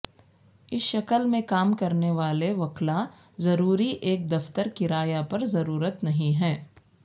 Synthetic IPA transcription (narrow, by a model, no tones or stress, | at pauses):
ɪsʃɐkəlmẽkaːmkɐɾneʋaːleʋɐkla | zɐɾuːɾiʔeːk̚d̪ɐft̪əɾkɪɾaːjapɐɾzɐɾuːɾət̪nɐɦĩɦɛ̃ː